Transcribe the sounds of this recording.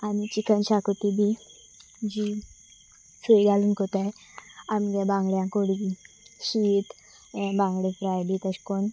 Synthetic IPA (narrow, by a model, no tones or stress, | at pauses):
anit͡ɕikənɕakot̪ibʱi | d͡ʑi | sujɡʱaluːnkot̪aj | amɡebãŋɡɭjãkoɽɡi | suit̪ | bãŋɡɽifɾajɖit̪əɕkon